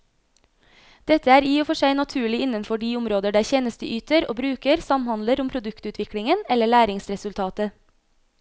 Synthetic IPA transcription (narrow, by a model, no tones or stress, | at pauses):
d̪̥ɛt̪əæːɾiːoːfɔʃæɪnɑt̪ʰʉːɭɪɪnənfɔɖiːʊmɾoːd̪əɖæːɾçeːnəst̪əʔyːt̪əɾo̰ːbɾʉːkəɾsɑmhɑnd̪ləɾʊmpʰɾʊd̪ʉkt̪ʉːt̪ʋɪkɽɪŋənɛləɭæːɾɪŋsɾɛsʉlt̪ʰɑːt̪ə